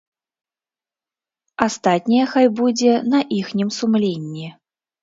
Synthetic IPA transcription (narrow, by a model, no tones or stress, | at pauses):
ast̪at̪̚ʲnʲijɐxajbud͡zʲɛnɐʔixnʲimsumlʲenʲːi